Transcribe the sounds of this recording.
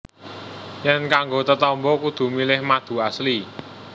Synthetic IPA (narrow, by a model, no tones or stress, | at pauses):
jɛnkaŋɡot̪ət̪ɔmbɔkud̪̥ṳmilɪhmad̪̥ṳasli